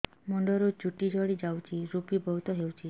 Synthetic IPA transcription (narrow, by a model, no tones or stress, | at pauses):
mɔɳɖɔɾot͡ʃuʈid͡ʒʱɔɽid͡ʒawt͡ʃʰiɾupibɔɦut̪ɔɦewt͡ʃʰi